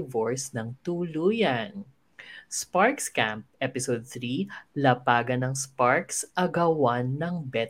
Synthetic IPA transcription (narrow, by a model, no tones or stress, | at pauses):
voɹsnɐŋt̪uːluːjɐn | spaɹkskamp̚ʔɛpɪsod̪̚θɾilɐpaːɡɐnɐŋspaɹksʔɐɡɐwanːɐŋbɛ